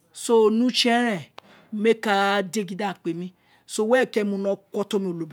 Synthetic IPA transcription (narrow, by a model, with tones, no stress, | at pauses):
so˦˨nũ˦t͡ʃɛ̃˦ɾ̃ɛ̃˨˦ | me˦ka˧de˦ɡi˧˦da˦˨k͡pe˨mĩ˧˦ | so˦wɛ˦˨kɛ˦mõ˧nɔ̃˧˦kɔ˧tɔ̃˦mĩ˧˦o˨lo˨bi˨